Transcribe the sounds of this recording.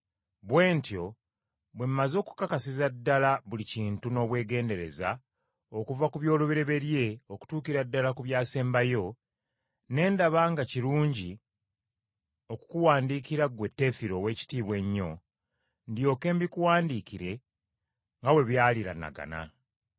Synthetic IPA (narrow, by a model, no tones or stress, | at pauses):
βwe̞ːntjo̞ | βwe̞m̩mazo̞ːku̥kːakasizadːalaβuliciːntuno̞ːβwe̞ːɡe̞ːnde̞ɾe̞za̰ | okuvakuβjo̞ːluβeɾe̞βe̞ɾje̞oku̥tuːkiɾadːalakuβjaːse̞ːmbajo̞ | ne̞ːndaβaŋɡaciɾuːɲɟi | o̞ku̥kuwaːndikiɾaɡwe̞tːe̞fiɾo̞ːwe̞ːci̥tiːβwe̞ɲːo̞̰ | ndjo̞ːke̞ːmbikuwaːndiːkiɾe̞ | ŋɡawe̞βjaːliɾa̰na̰ɡa̰na̰